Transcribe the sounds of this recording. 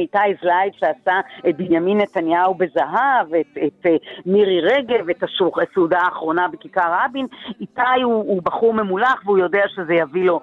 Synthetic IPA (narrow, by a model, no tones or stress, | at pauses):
itajzlajvʃeasaet̚binjaminːetanjaube̞zaɦavetetmiʁiʁeɡe̞vetasusudaːχʁo̞nabekikaʁabinitajuːbaχuʁmemulaχveujo̞deaʃe̞zejavilo̞